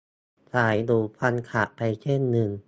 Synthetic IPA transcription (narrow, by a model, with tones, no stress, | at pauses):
sʰaː˩˦jd̪uː˨˩pʰa˧nkʰa˨˩ʔpa˧jt͡ɕʰe˥˩nːɯ˧ŋ